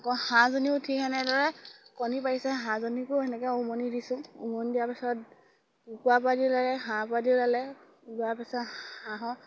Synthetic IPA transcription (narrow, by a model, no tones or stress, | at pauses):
akɔhãzoniʊtʰikʰɛnɛdɔɹɛkɔnipaɹisɛɦãzonikʊɛnɛkɛʊmɔnidisʊ̃ṵmɔndijapɛsɔt̚ | ukuapadilalɛɦãpadilalɛ | uɡuapɛsɔthãɦɔ̃